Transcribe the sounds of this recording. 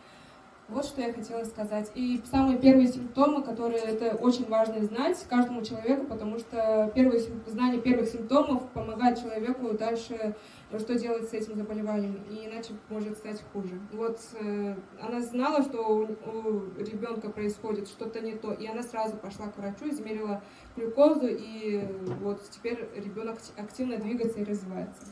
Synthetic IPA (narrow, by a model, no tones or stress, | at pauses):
vo̞t̪ʂt̪o̞jaxɐtʲe̞lˠəsʲskɐzatʲisamɨjəpʲe̞rvəjəsʲɪmp̚t̪o̞mɨkɐt̪o̞ɾɨjəɛt̪əʔo̞t͡ɕɪnʲvaʐnəzn̪atʲkaʐd̪əmʊt͡ɕɪlˠɐvʲe̞kʊpət̪ɐmuʂt̪opʲe̞rvɨjəznanʲɪjəpʲe̞rvɨxsʲɪmp̚t̪o̞məfpəmɐɡajɪt̪̚t͡ɕɪlˠɐvʲe̞kʊd̪alʲʂɨ | ʂt̪o̞dʲe̞lˠətʲsɛtʲɪmzəbəlʲɪvanʲɪjəmiɪnat͡ɕɪmo̞ʐɨt̪st̪atʲxuʐɨvo̞t̪ | ɐ̰naznalˠəʂt̪o̞uɾʲɪbʲo̞nkəpɾəɪsxo̞dʲɪt̪ʂt̪o̞t̪ənʲɪt̪o̞ʔiɐnasrazʊpɐʂlˠakvɾɐt͡ɕuɪzmʲeɾʲɪlˠə | pɾʲɪko̞zʊʔivo̞t̪tʲɪ̥pʲeɾʲɾʲɪbʲo̞nək | ɐktʲivnəd̪vʲiɡət̪səɪɾəzvʲɪvajɪt̪sə̥